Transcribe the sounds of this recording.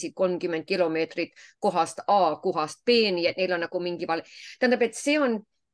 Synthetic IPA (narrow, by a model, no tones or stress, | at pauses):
sit̪̚ko̞lmkymːend̪̚kilo̞me̞ːt̪rit̪ko̞ɦɑst̪ɑːkuɦɑst̪̚peːniet̪neilo̞nnɑkumiŋɡ̥iʋɑlt̪ænd̪ɑpet̪seːon